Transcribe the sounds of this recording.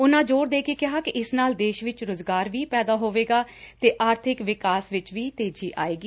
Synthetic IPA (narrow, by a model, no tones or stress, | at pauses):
ʊnãːd͡ʒoːɾd̪eːkeːkɪɦaːkɪʔɪsnaːld̪eːʃʋɪt͡ʃɾʊzɡaːɾʋiːpɛːd̪aːɦoːʋeːɡaːt̪eːʔaːɾt̪ʰɪkʋɪkaːsʋɪt͡ʃʋiːt̪eːd͡ʒiːʔa̰ːeːɡiː